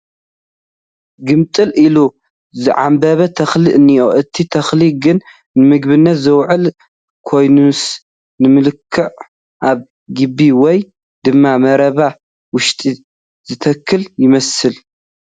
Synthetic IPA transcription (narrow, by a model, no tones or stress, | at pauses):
ɡɨmt̪ʼɨlʔilu | zɨʕa̰mbɐβɐt̪ʰɐxlɨʔɨnːijoʔɨt̪ʰit̪ʰɐxliɡɨnː | ɨmɨɡ̚βɨnːɐt̪zɨwʕɨl | kʰo̞jnus | nɨmɨlɨkʰːɨʕ | ʔaβ | ɡɨbːiwɔj | d̪ɨmːamɐɾɐβa | wʊʃt̪ʼi | z̥ɨt̪ʰɐkʰːɨljɪmɐsɨl